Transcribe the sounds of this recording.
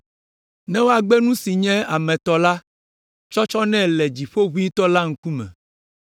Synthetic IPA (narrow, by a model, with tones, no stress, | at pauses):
nɛ̃˦wo˦a˨ɡ͡bɛ˦nũ˦si˨ɲɛ̃˦a˨mɛ̃˨t̪ɔ˨la˦ | t͡ʃɔ˦t͡ʃɔ˦nɛ̃˦lɛ˨d͡ʑi˨ɸo˦βu˦i˦t̪ɔ˦la˦ŋ̩˦ku˦mɛ̰̃˨